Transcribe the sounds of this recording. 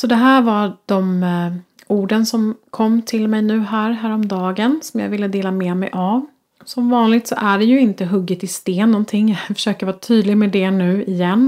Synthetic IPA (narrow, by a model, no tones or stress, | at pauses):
sɔd̪ɛɦæːɾvɑd̪̥ɔm | uːɖənsɔmkʰɔmːt̪ʰɪlmɛjnʉ̟ːɦæːɾɦæːɾɔmd̪ɑːɡənsɔmjɑ̰ɡvɪlːəd̪eːlamɛːmɛ̰jʔav | sɔmvɑːnlɪɡ̚t̪sɔ̰ʔæɖɛjɵɪnt̪əɦɵɡːɪt̪ɪst̪eːnːɔnt̪ʰɪŋːjafœ̥ʂøːkəɾvɑːt̪ʰyːd̪lɪɡmɛd̪ɛnʉ̟ːɪjɛnː